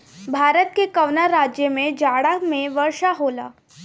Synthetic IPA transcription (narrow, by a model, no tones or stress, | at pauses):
bʱaːɾət̪kekɐʋnaɾaːd͡ʒjəmẽd͡ʒaːɽamẽʋəɾʃaɦoːla̰ː